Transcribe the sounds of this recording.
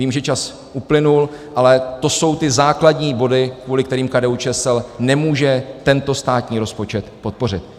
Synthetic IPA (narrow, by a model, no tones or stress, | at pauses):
viːmʒɛt͡ʃas | ʔuplɪnul | ʔalɛt̪o̞so̞wt̪ɪzaːkladɲiːbo̞dɪkvuːlɪkt̪ɛɾiːmkadɛːut͡ʃɛsɛlnɛmuːʒɛt̪ɛnt̪o̞st̪aːt̪ɲiːɾo̞spo̞t͡ʃɛt̪pot̪̚po̞r̝ɪt̪̚